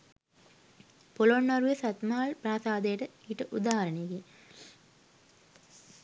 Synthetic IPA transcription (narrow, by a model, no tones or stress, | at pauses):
poloɳːɐɾujesɐt̪maːlpɾaːsaːd̪ɐjʈəiʈəʔud̪aːɦɐɾɐneɡi